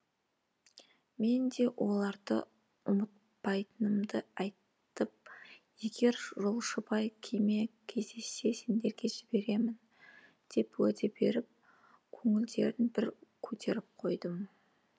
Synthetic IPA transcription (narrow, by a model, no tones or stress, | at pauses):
me̞nd̪e̞wʔo̞lˠɑɾd̪ə̰ | ʊmət̪̚ | pɑjt̪ənəmd̪əɑjt̪ | əp̚je̞ɡʲe̞ɾʒo̞lˠʃəbɑjkʲʰeme̞kʲʰe̞zd̪e̞se̞se̞nd̪e̞ɾɡʲe̞ʒɪbe̞ɾe̞mɪn | d̪̥e̞pwæd̪ebe̞ɾɪp̚ | kʲʰɵŋɪld̪e̞̰ɾɪnbɪɾkʲʰɵt̪ʰe̞ɾɪp̚qʰo̞jd̪əm